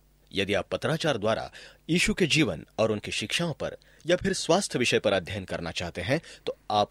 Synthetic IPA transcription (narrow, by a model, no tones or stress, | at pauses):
jɐd̪iaːpːɐt̪ɾaːt͡ʃaːɾd̪waːɾa̰jiːʃuked͡ʒiːʋənɔːɾʊnkiʃɪkʃaːõpɐ̰ɾ | japʰɪɾswaːst̪ʰjəʋɪʃəjpɐɾɐd̪ʱjənkɐ̰ɾnat͡ʃaːɦt̪eɦɛ̃t̪oːaːp